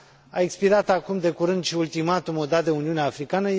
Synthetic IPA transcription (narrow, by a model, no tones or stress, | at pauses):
a̰ekspiɾat̪akumd̪e̞kuɾɨnd̪ʃiult̪imat̪umod̪ad̪e̞uniuneafɾikanə